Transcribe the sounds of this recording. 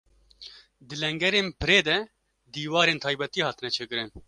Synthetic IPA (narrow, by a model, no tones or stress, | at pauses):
d̪ɨlɛŋɡɛɾeːnpɨɾeːd̪ɛ | d̪iːwɑːɾeːnt̪ʰɑːjbɛt̪iːhɑːt̪ɨnɛt͡ʃʰeːkɨɾɨn